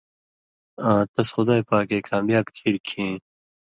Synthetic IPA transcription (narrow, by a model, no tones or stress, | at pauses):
ãːt̪ɐsxʊd̪aːjpaːkeːkaːmjaːbkʰiɾkʰĩː